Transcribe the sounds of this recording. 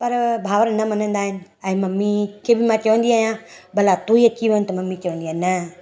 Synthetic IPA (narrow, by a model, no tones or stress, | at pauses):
pɐɾbʱaːʋəɾnɐmɐnə̃nd̪aːɦɪnɪ̆ | ɛ̃mɐmːikʰeːbʱɪmãt͡ʃɐʋə̃nd̪iaːjãːbəlat̪uːiekiʋənt̪ɐmɐmit͡ʃɐʋə̃nd̪iaːnɐ